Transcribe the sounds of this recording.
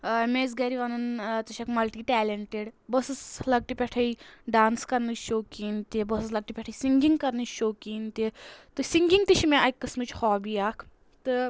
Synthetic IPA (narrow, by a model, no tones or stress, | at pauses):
mẽːz̬ɡɐɾiʋɐnɐnt̪ɐʃʰɐkmɐlʈiːʈɛːleɳʈeɖbɐsɨslɐɡ̚ʈipʲɛʈʰɐiɖaːnskɐɾnɨt͡ʃʃoːkiːnt̪ibɐsɨslɐɡ̚ʈipʲɛʈʰɐisiŋɡiŋɡkɐɾnɨt͡ʃʃoːkiːnt̪it̪ɨsiŋɡiŋt̪it͡ʃʰimẽɐkːɨsmɨt͡ʃʰhɔːbiːaːkʰ | t̪ɨ